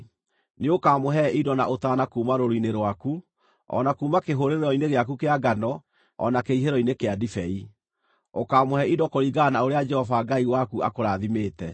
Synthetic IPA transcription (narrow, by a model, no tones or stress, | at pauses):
neokaːmoɦɛidɔna̰ʔotaːnakuːmaɾoɾineɾwaku | ɔ̰nakuːmakeɦoɾeɾeɔineɣeakukeaɡanɔ | ɔ̰nakeiɦeɾɔinekeadifɛi | okaːmohɛidɔkoɾiɡanaoɾead͡ʒɛhɔvaɡaiwakua̰koɾaðimeːtɛ